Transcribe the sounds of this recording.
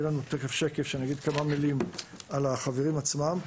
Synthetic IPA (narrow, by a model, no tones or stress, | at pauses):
elanut̪ekefʃe̞kefʃenaɡid̪kamamilimalaχaveʁimat͡smam